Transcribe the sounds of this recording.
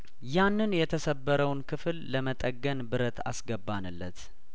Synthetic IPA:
janːɨnjɛt̪ʰəsəbːəɾəwnkʰɨfɨlːəmət̪ʼəɡːənbɨɾət̪a̰sɡəbːanɨlːət̪

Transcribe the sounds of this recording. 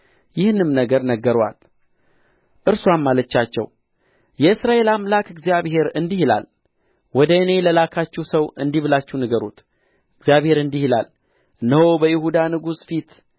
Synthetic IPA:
jɪhnɨmnəɡəɾnəɡːəɾwa̰l | ʔɨɾswammːalət͡ʃːat͡ʃːɛ̰w | jɛɨsɾaʔe̞lamlakɨɡzijaβhe̞ɾɨnd̪ihila̰l | wɔd̪əɨne̞ləlakʰat͡ʃːuwsəwɨ̰nd̪iβɨlat͡ʃːuhnɨɡəɾṵt̪ | ɨɡzjaβhe̞ɾɨnd̪ihila̰l | nəhobəjɪhud̪anɨɡusfit̪

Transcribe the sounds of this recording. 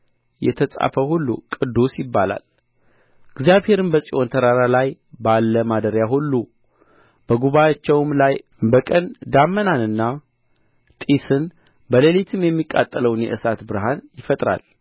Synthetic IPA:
jɛ̰t̪ʰəsʼa̰fəhulːṵkʼɨd̪ːusjɪbːala̰l | ɨɡzijaβhe̞ɾɨnbəsʼiʔo̞nt̪ʰəɾaɾalaj | balːəmad̪əɾjaɦulːu | b̥əɡuβajat͡ʃːɛwmlaj | bəkʼənd̪amːənanɨnːa | t̪ʼisɨn | bəlelit̪ʰɨmjɛmːikʼa̰t̪ʼːələwnjɛ̰ʔɨsat̪bɨɾɦanjɪfət̪ʼɾa̰l

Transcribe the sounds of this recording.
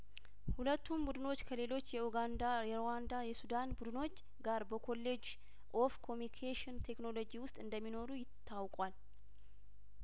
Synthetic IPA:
hulət̪ʰːumbud̪ɨno̞t͡ʃːkʰəle̞lo̞t͡ʃːjɛuɡand̪aɛɾowand̪ajɛsud̪anbud̪ɨno̞t͡ʃː | ɡaɾbəkʰo̞lːe̞d͡ʒ | ʔo̞fkʰo̞mnikʰeʃɪnt̪ʰe̞kno̞lo̞d͡ʒiwʊst̪ʼɨnd̪əmːino̞ɾujɪt̪ʰːawkʼwal

